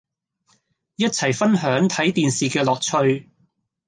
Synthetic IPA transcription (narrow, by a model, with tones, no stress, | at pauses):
jɐ˥t̚t͡sʰɐ˨˩jfɐ˥nɦœː˨˥ŋt̪ʰɐ˨˥jt̪iː˨nsiː˨kɛː˧lɔː˨k̚t͡ʃʰɵ˧ɥ